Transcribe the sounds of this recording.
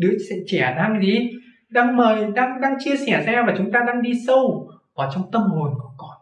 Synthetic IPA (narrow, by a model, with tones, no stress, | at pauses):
ɗɨ̰˧˥əsɛ̰˧˨t͡ɕɛ˧˩ɗaː˧ŋɗi˨˧˦ | ɗaː˧ŋməː˨˩jɗaː˧ŋɗaː˧ŋt͡ɕɨ˧əsɛ˧˩saː˧˥aː˧˩ma˨˩t͡ɕʊ˨˦ŋ͡mt̪aː˧ɗaː˧ŋɗi˧sə˧w | kɔ˨˩t͡ɕɔ˧wŋ͡mt̪ə˧mho˨˩nkɔ˨˧˩kɔ˧˩n